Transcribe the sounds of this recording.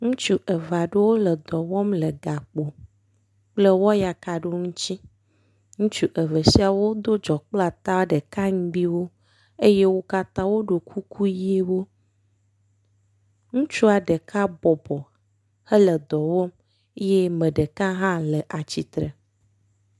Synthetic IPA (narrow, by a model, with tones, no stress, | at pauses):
ŋũ˦t͡ʃu˦ʔə˨va˨ɖe˦wo˦lə˨d̪ɔ˨wɔ˦mlə˨ɡa˨k͡po˨ | k͡plə˦wɔ˦ja˨ka˨ɖo˦ŋũ˦t͡ɕi˦ | ŋũ˦t͡ʃu˦ʔə˨və˨si˦a˨wo˦d̪o˦d͡ʒɔ˨k͡pla˨t̪a˦ɖə˨ka˦ŋ̩˦ɖi˦wo˦ | e˦je˦wo˦ka˦t̪ã˦wo˦ɖo˨kʰu˦kʰu˦ji˦e˦wo˦ | ŋũ˦t͡ʃu˦a˨ɖə˨kʰa˦bɔ˨bɔ˨ | hə˦lə˨d̪ɔ˨wɔ˦m˦ | je˦mə̃˨ɖə˨kã˦ɦã˦lə˨ʔa˨t͡ɕi˨t̪ɾə˨